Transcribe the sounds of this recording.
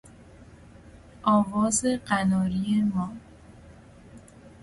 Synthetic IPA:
ʔɒːvɒːzeɢænɒːɾijemɒː

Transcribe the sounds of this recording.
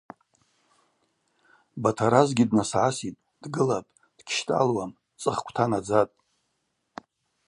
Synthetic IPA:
batʰaɾazɡʲidnasʕasitʼ | d̥ɡɨlapʼ | d̥kʲʰʃtʼa̰lwam | t͡sʼɨχkʷʰtʰanad͡zatʼ

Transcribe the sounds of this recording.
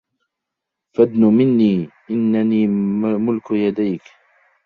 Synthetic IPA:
fad̪nʊmɪnːiːʔɪnːaniːmmʊlkjad̪ajk

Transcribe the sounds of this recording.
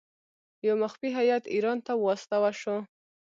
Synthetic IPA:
jawmaxfiɦajat̪iɾɑnt̪awɑst̪awaʃo

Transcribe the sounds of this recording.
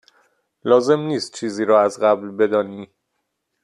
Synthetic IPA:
lɒːze̞mniːst̪̚t͡ʃʰiːziːɾɒːæzɣæblbe̞d̪ɒːni

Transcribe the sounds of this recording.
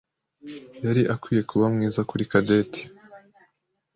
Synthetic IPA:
jaɾiʔakwiːje̞kuβamŋiːzakuɾikadetʰi̥

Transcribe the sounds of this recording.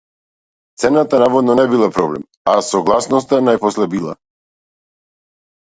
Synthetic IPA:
t̪sɛnat̪anavɔd̪nɔnɛbilˠapɾɔblɛ̰m | asɔɡlˠasnɔst̪anajpɔslɛbilˠa̰

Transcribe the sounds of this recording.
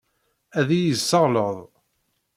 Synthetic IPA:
æðijəsːəʁləðˤ

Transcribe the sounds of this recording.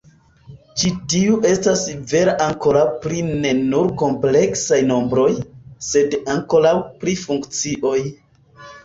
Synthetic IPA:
t͡ʃitiuʔe̞stasve̞ɾeʔaŋko̞ɾawpɾine̞nuɾko̞mple̞ksajno̞mbɾo̞jse̞daŋko̞ɾawpɾifuŋkt͡siʔo̞j

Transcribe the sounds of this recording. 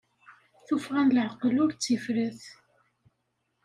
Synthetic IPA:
θufʁænləʕəqəlʊɾt͡sːifɾəθ

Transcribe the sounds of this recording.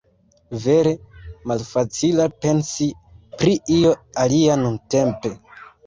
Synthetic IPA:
ve̞ɾe̞malfat͡silape̞nsi | pɾiio̞alianunte̞mpe̞

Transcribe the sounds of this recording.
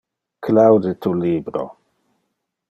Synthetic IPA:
klawdet̪uliːbɾo̰

